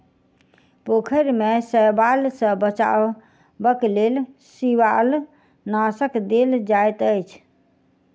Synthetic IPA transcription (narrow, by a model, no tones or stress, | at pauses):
pokʰəɾmesəjbalsə̃bət͡ʃa̰ | bəklelsiʋal | nasəkd̪eld͡ʒajt̪əjt͡ʃʰ